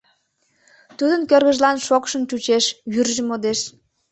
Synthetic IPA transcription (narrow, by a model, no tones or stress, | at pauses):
t̪ud̪ənkørɣə̆ʒlɑnʃokʃənt͡ɕut͡ɕeʃjyrʒĕmod̪eʃ